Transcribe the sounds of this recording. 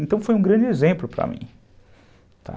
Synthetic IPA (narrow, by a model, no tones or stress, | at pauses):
ẽnt̪ɐ̃w̃fojũɡɾɐ̃nd͡ʒɪezẽmplʊpɾɐ̰mḭ̃ | t̪ʰa̰